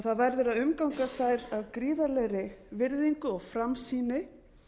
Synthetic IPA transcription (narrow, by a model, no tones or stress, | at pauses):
θaðvɛɾðʏɾaðʏmkawŋkast̪aːɾavkɾiːðalɛɣɾɪvɪɾðiŋkʏɔɣfɾamsiːnɪ